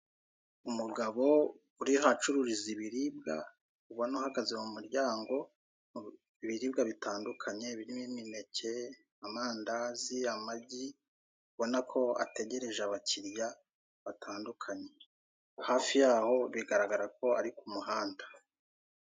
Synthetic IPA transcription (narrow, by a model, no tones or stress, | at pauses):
umuɡaβo̞ | uɾihat͡ʃuɾuɾiziβiɾib̚ɡa̰ | uβonohaɡaze̞mumuɾɟaːŋɡo̞ | iβiɾiːbɡaβitaːndukʰaɲe̞βiɾimimine̞ce̞ | amaːndaziamaɟi | uβo̞nakʰo̞a̰te̞ɟe̞ɾe̞ʒaβacʰiɾja | βatʰaːndukʰaɲe̞ | haːfijaːho̞βiɡaɾaɡaɾako̞aɾikumuhaːndḁ